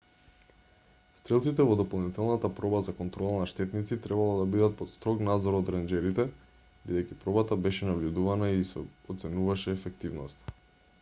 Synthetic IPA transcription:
st̪ɾɛlˠt̪sit̪ɛvɔd̪ɔpolˠnit̪ɛlˠnat̪apɾɔbazakɔnt̪ɾɔlˠanaʃt̪ɛt̪nit̪sit̪ɾɛbalˠad̪abid̪at̪̚pɔt̪st̪ɾɔknad̪zɔɾɔd̪ɾɛnd͡ʒɛɾit̪ɛ | bid̪ɛjcipɾɔbat̪abɛʃɛnavʎud̪uvanaisɛɔt̪sɛnuvaʃɛːfɛk̚t̪ivnɔst̪

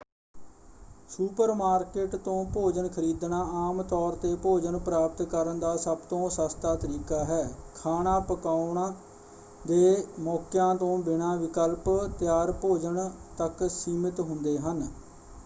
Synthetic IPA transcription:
suːpəɾmaːɾkeʈt̪õːpoːd͡ʒəɳkʰəɾiːd̪naːaːmt̪ɔːɾt̪eːpoːd͡ʒəɳpɾaːp̚t̪kəɾənd̪aːsəbt̪õːsast̪aːt̪əɾiːkaːɦɛːkʰaːnaːpəkaːʊɳaː | d̪eːmɔːkɪjãːt̪õːbɪnãːʋɪkəlpt̪ɪjaːɾpoːd͡ʒəɳt̪əksiːmɪt̪ɦʊnd̪eːɦən

